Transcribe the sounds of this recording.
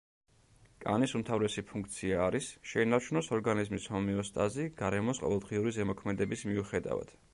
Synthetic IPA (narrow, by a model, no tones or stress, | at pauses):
kʼa̰nisumt̪ʰavɾɛsipʰũŋk̚ʰt̪sʰiaːɾisʃɛinaɾt͡ʃʰunɔsɔɾɡanizmishɔmiɔst̪ʼaziɡ̥aɾɛmɔsqʼɔ̰vɛlˠd̪ʁiuɾizɛmɔkʰmɛd̪ɛbismiuχɛd̪a̰va̰d̪̥